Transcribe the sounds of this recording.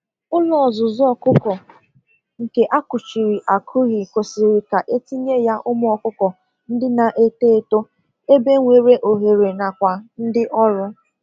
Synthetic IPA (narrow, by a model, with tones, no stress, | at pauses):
ʊ˦lɔ˨ɔ˨zʊ˨zɔ˦ɔ˨kʊ˦kɔ˨ | ŋ̩˨ke˨ʔa˦kʊ˨t͡ʃi˨ɾi˨ʔa˨kʰʊ˦ɣɪ˨ko˨sɪ˨ɾi˨ka˨ʔe˦ti˦ɲe˦ja˦ʔʊ˦m˦ɔ˨kʊ˦kɔ˨ | n̩˦dɪ˦na˨ʔe˦te˦˨to˦ | e˦be˦ŋʷe˨ɾe˦ʔo˨ɦe˨ɾe˨na˨kʷa˨n̩˦dɪ˦ʔɔ˦ɾʊ˦